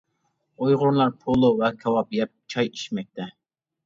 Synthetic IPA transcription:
ojʁʊɾlˠɑɾpʰolˠowɛkʰɛwɑpjɛp̚t͡ʃʰɑji̥ʃmɛk̚ʲt̪ʰɛ

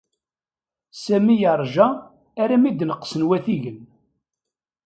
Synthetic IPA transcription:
sæmijəɾˤʒæː | ɾæmid̪nəqːsənwæθiʝən

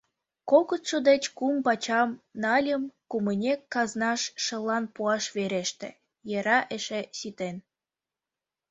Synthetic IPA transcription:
kokət̪ʃod̪et͡ɕkumpɑt͡ɕɑmnɑlʲəmkumənʲekːɑznɑʃːəlːɑnpuɑʃβeɾeʃt̪ḛ̆ | jeɾɑʔeʃesit̪en

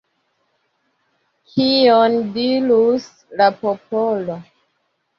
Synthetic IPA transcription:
kʰiondilus | lapopolo

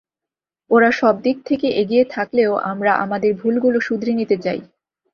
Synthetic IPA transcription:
oɾaʃɔb̚d̪ik̚t̪ʰekeʔeɡijet̪ʰakleoʔa̰mɾaʔa̰mad̪eɾbʱulɡuloʃud̪ʱɾinit̪et͡ɕaj

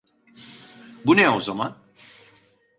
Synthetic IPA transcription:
bunɛozaman

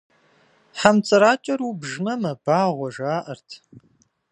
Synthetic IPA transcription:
ħamt͡sʼɨɾaːt͡ʃʼɐɾubʒmɐmɐb̥aːʁʷɔʐaːʔɐrtʰ

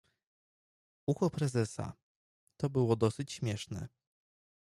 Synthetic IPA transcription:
uxɔpɾɛzɛsa̰ | t̪ɔbɘwɔd̪ɔsɘt͡ɕɕmʲjɛʂnɛ̰

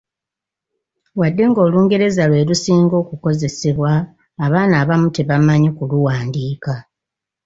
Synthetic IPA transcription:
wadːe̞ŋɡo̞ːluːŋɡe̞ɾe̞zalwe̞ːlusiːŋɡo̞ːkuko̞ze̞seβwaː | βaːnaːβamute̞βamaɲikuluwaːndiːka

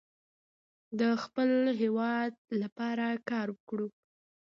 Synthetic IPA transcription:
d̪əxpəlɦewɑd̪̚lapɑɾakɑɾwəkɽu

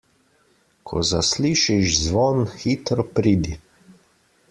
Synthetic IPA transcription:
kʰɔ̰zasliːʃiʒzʋɔːnxit̪ɾɔpɾiːd̪i

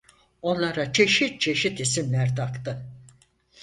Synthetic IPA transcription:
o̞nlˠaɾat͡ʃʰe̞ʃit̪̚t͡ʃʰe̞ʃit̪isimlʲæɾt̪ʰakt̪ɯ

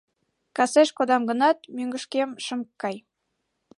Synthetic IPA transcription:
kɑseʃkod̪ɑmɡə̆nɑt̪̚myŋɡə̆ʃkemʃə̆mkːɑj

